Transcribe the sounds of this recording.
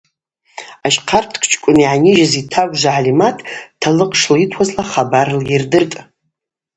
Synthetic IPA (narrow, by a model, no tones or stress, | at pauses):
aʃqʰartʰkʰʼt͡ʃʰʼkʷʼʊniʕanʲɪʒazitʰaɡʷʒʷaʕalimatʼʰːalɨqʼʂlitʰwazlaχabarljɪrdɨrtʼ